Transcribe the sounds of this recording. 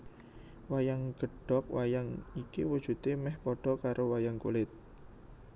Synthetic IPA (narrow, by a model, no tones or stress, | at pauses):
wajaŋɡ̥ə̤ɖ̥ɔ̤k̚wajaŋikiwud̥ʒ̥ṳt̪emɛhpɔɖ̥ɔ̤kaɾowajaŋkṵlɪt̪̚